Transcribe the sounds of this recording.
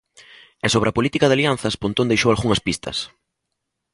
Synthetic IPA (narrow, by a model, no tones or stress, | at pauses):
ɛsoβɾɐpolit̪ikɐðalian̟θɐspont̪õnd̪ejʃowalɣuŋɐspist̪ʰɐ̰s